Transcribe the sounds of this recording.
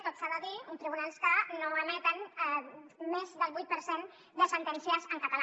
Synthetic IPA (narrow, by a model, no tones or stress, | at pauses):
t̪ot̪saðəðiəmt̪ɾiβunalˠskənoəmɛt̪ən | mezðəlˠβujt̪̚pəɾsen | d̪əsənt̪ɛnsiəzəŋkət̪əl